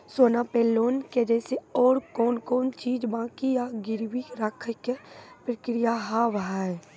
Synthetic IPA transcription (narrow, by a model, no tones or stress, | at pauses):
soːnapeːloːnked͡ʒɛːseɔːɾkɔːnkɔːnt͡ʃiːd͡ʒbãːkijaɡɪɾwiɾakʰəkepɾəkɾijaɦaʋɦaːɛ